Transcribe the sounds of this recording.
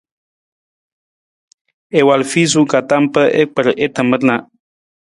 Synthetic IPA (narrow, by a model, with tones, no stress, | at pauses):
e˨wa˨lfi˦z̬u˦ka˨ta˦mpə˦ʔḛ˦k͡pə˨ɾʔe˦t̪ə˨mə˦ɾnã˨